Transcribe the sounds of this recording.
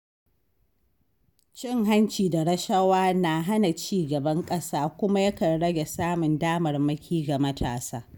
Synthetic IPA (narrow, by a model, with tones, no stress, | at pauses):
t͡ʃɪ˦˨ŋɦa˦nt͡ʃiː˨da˨ɾɐ˦ʃɐ˦waː˦na˨ɦa˦na˨t͡ʃiː˦˨ɡɐ˨bɐ˦ŋkʼɐ˦saː˦kʷʊ˦ma˦jɐ˦kɐ˨nɽɐ˦ɡʲe˨saː˦mʊ˨ndaː˦mɐ˨rmɐ˦kʲiː˦ɡa˨mɐ˦tʰa̰ː˨sa̰ː˦